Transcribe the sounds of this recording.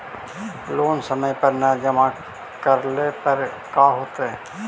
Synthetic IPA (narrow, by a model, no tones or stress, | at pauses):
loːnsəməjpəɾnad͡ʒəma | kəɾlepəɾ | kaːɦoːt̪eɦɛː